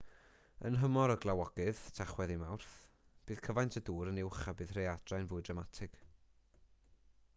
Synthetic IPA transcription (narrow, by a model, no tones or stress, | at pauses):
ə̰nɦəmɔɾɔɡlˠawɔɡ̥ɨðtʰaχwɛðimawrθ | b̥ɨːð̥kʰəvajntʰəduːɾənɪwχabɨːðrejadrajnvʊːɨdramatʰɪɡ̥